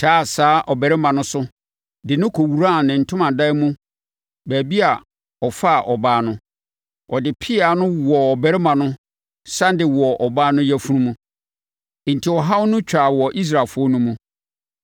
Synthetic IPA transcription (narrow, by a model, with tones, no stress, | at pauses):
tʰaː˦˨saː˨˦ʔɔ˨bæ˨ɾɪ˦mã˨nʊ̃˦sʊ˦ | dɪ˨nʊ̃˦kʰo˨wu˨ɾa˦˨nɪ̃˨n̩˨tʰʊ̃˦mã˨da˦mũ˦ | bæː˨bi˦a˨ | ɔ˨fa˦˨ʔɔ˨baː˦nʊ̃˦ | ɔ˨dɪ˨pʰɪ˦a˨˦nʊ̃˦wɔ˨ɔ˨bæ˨ɾɪ˦mã˨nʊ̃˦ | sã˦n˦dɪ˨wɔ˨ʔɔ˨baː˦nʊ̃˦jæ˦fu˦ũ˦mũ˦˨ | n̩˨tʰi˨wɔ˨ɦa˦wnʊ̃˦t͡ɕᶣa˨wɔ˨ʔi˦s̬ɾa˨lfʊ˦ɔ˦nũ˦mũ˦